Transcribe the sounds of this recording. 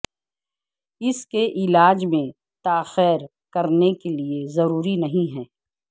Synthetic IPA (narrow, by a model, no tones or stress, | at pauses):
ɪskeʔɪlaːd͡ʒmẽ | t̪aːxɛːɾ | kɐɾnekeliezɐɾuːɾinɐɦĩɦɛː